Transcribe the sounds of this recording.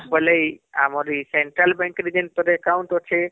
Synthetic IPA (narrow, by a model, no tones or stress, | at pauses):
bələja̰moɾiseɳʈɾalbẽŋkɾid͡ʒənʈt̪əɾekaũɳʈot͡ʃʰe